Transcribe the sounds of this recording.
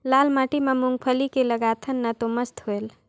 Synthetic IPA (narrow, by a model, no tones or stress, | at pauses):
lalmaʈimemuŋɡ̚pʰəlikeləɡat̪ʰənːət̪oməst̪ɦoel